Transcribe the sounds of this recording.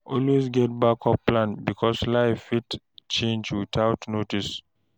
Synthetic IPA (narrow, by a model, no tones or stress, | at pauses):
ʔɔlwezɡɛt̚bakʰɔplãnbikʰɔslaɪfit | t͡ʃẽnd͡ʒwitʰaʊtnotis